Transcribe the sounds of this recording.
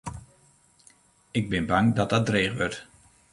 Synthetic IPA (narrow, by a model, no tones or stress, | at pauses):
ɪɡ̚bɪnbaŋdɔt̚dɔt̚dreːɣʋøɹt